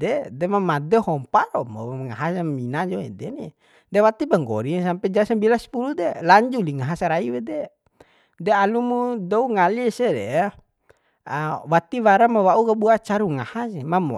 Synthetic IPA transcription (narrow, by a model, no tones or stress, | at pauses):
dɛdɛmamad̪ɛhɔmpaɾɔmoŋaɦasaminad͡ʒɔɛ̰dɛni | dɛwat̪ipaŋɡɔ̰ɾisampɛd͡ʒasambilaspulud̪ɛlaɲd͡ʒuliŋaɦasaɾaiwɛdɛ | dɛalumudɔuŋaliɛsɛdɛ̰a | wat̪iwaɾamawaukabuat͡ʃaɾuŋahasɛmamɔ̰